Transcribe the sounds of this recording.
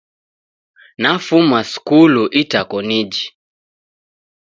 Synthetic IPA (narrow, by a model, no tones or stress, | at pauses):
nafumaskuluʔitakɔnid͡ʒi